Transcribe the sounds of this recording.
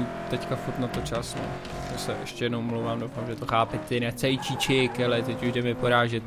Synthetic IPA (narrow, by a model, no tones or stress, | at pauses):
t̪ɛckafuɾt̪nat̪ot͡ʃasnɛ̰ | jasɛʔɛ̰ʃtcɛjɛdnowmlowvaːmdowfamʒɛt̪oxaːpɛt̪t̪ːɪnɛt͡sɛjt͡ʃit͡ʃɪkɛlɪt̪ɛcuʒdɛmɪpoɾaːʒɛt̪